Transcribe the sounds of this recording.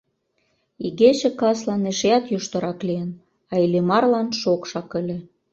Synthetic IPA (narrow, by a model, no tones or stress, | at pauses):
iɣet͡ɕĕkɑslɑneʃeɑt̪juʃt̪ɤ̆ɾɑkliən | ɑilemɑrlɑnʃokʃɑkə̆lʲĕ